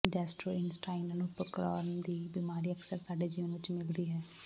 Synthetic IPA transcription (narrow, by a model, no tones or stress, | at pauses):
ɖɛːsʈɾoːɪnsʈaːɪnənʊpəɾkɾɔːnd̪iːbimaːɾiːəksəɾsaːɖeːd͡ʒiənʋɪt͡ʃmɪld̪iːɦɛː